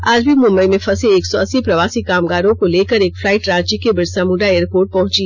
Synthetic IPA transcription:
aːd͡ʒbʱimʊ̃mbəimẽfɐseeːksɔɐsːipɾɐʋaːsikaːmɡaːɾõkoleːkəɾeːkflaːɪʈɾãːt͡ʃikebɪɾsamʊ̃ɖaeːɾpoːɾʈ̚pɐɦʊ̃t͡ʃi

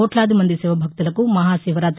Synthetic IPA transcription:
oʈlaːd̪imɐnd̪isiʋɐbʱɐk̚t̪ɐlɐkumɐɦaːsiːʋɐɾaːt̪

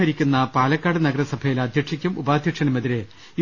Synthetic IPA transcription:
ɐɾikʲːunːɐpaːlɐkːaːɽɨnɐɡɐɾɐsɐbʱɐjilaːd̪ʱjɐʂikʲːumubaːd̪ʱjɐkʂɐnɐmeðiɾe

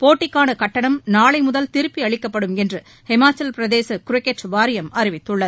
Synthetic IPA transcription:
poːʈːɪkːaːnɐkɐʈːɐɳɐmnaːɭɐɪmʊðɐlt̪ɪɾɯpːiɐɭɪkːɐpːɐɽɯmɛndrɯ | hɛmaːt͡ʃːɐlpɪɾɐðeːsɐkʊɾɛkːeʈt͡ʃʋaːɾɪjɐmɐɾɪʋɪt̪ːɯɭːɐð

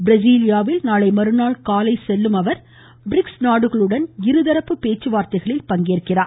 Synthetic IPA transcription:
bɪɾɐd͡ʒiːlɪjaːʋɪlnaːɭɐɪmɐɾɯnaːɭkaːlɐɪsɛlːɯmɐʋɐɾ | bɪɾɪksnaːɽɯɣɐɭɯɽɐnɪɾɯðɐɾɐpːɯpeːt͡ʃːɯʋaːɾt̪ɐɪɣɐɭɪlpɐŋɡeːrkɪraː

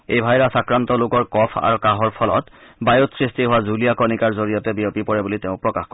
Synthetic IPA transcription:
ḛjbʱajɹasakɹantɔlokɔɹkɔpʰa̰ɹukaɦɔɹpʰɔlɔ̰tbajotsɹistiɦʊwazulijakɔnikaɹzoɹijɔtɛbijɔpipɔɹɛbuliteʊ̃pɹɔkaxkɔ

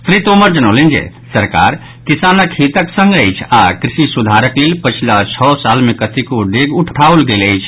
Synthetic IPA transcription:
pʰɾit̪oməɾd͡ʒənəʊlənd͡ʒḛ | səɾka̰ɾ | kisanəkɦit̪əksəŋɡəjt͡ʃʰakɾisisud̪ʱaɾəklelpət͡ʃʰilat͡ʃʰɔsalmekət̪ikoɖeɡuʈʰʈaolɡeləjt͡ʃʰ

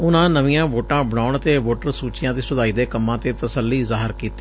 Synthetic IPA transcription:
ʊnãːnəʋɪjãːʋoːʈãːbəɽaːʊɳt̪eːʋoːʈəɾsuːt͡ʃɪjãːd̪iːsʊd̪aːiːd̪eːkəmːãːt̪eːt̪əsəlːiːzaːɦəɾkiːt̪ːiː

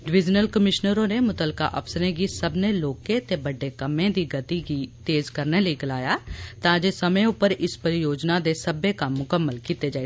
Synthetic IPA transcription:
ɖɪʋɪd͡ʒnəlkəmɪʃnəɾõːneːmʊt̪əlka̰ːʔə̰psəɾẽːɡiːsəbnẽːloːkẽːt̪eːbəɖːeːkəmẽːd̪iːɡət̪iːɡiːt̪eːzkəɾneːləiːɡɪlaːjaːt̪ãːd͡ʒeːsəmẽːʊpːəɾɪspəɾɪjoːd͡ʒnaːd̪eːsəbeːkəmːʊkəmːəlkiːt̪eːd͡ʒaːe

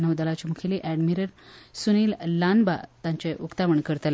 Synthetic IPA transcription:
nəʋd̪əlat͡ɕimukʰeliʔæɖmiɾəɾsuniːllanbat̪ãɲt͡ɕeʔukt̪aʋəɳkəɾt̪əl

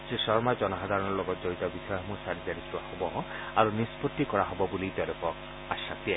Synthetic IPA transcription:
sesɔɹmad͡ʒɔnɔɦad̪ʱaɹɔnɔɹlɔɡɔt̪d͡ʒoit̪ɔbisɔjɔmusaɾizaɾisʰuwahɔbɔ | aɹunispɔt̪ːikɔɹaɦɔbɔbulit̪ɛlɔkɔ | asa̰t̪iɛ

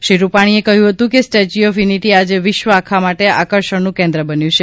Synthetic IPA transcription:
ʃiɾupaɽ̃iekəɦjũɦət̪ũkesʈed͡ʒiɔfjuniʈiad͡ʒeʋɪʃʋəakʰamaʈea̰kəɾʃəɳnũkɛ̃nd̪ɾəbənjũt͡ʃʰe

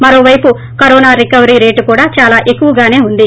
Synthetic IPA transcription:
mɐɾo̞ːʋɐjpu | kɐɾoːnaːɾikɐʋɐɾiɾe̞ːʈkuːɽaːt͡ʃaːlaːʔe̞kːuʋɐɡaːne̞ːund̪i

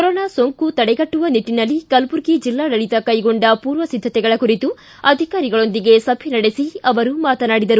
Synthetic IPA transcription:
kɔɾoːnaːsoŋkut̪ɐɽɛɡɐʈːuʋɐniʈːinɐlːikɐlpuɾɡid͡ʒilːaːɽɐɭit̪ɐkɐjɡo̞ɳɖɐpuːɾʋɐsid̪ʱːɐt̪ɛɡɐɭɐkuɾit̪u | ɐd̪ʱikaːɾiɡɐɭo̞nd̪iɡe̞sɐbʱinɐɽesiɐʋɐɾumaːt̪ɐnaːɽid̪ɐɾu

